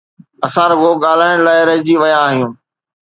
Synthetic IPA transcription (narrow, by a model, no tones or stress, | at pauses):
ɐsãɾɐɡʱoːɠaːl̤aːɪɽ̃laːɪɾɐɦɪd͡ʑiʋɐjãːɦijũː